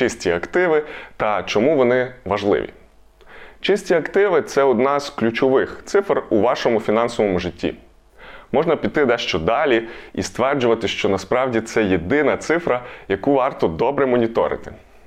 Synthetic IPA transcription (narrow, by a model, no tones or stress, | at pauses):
t͡ʃɪsʲtʲiɐkt̪ɪʋɪt̪ɐt͡ʃɔmuʋɔnɪʋɐʒlˠɪ̰ʋʲḭ | t͡ʃɪsʲtʲiɐkt̪ɪʋɪt̪sɛɔd̪nɑz̥klʲut͡ʃɔʋɪxt̪sɪfruʋɑʃɔmʊfʲinɑnsɔʋɔmʊʒɪtʲːḭ | mɔʒnɐpʲid̪̚t̪ːɪd̪ɛʃt͡ʃɔd̪ɑlʲiḭst̪ʋɛrd͡ʒʊʋɐt̪ɪʃt͡ʃɔnɐspɾɑwdʲit̪sɛjed̪ɪnɐt̪sɪfɾɐjɐkuʋɑrt̪ɔd̪ɔbɾɛmɔnʲit̪ɔ̰ɾɪ̰t̪ɪ̥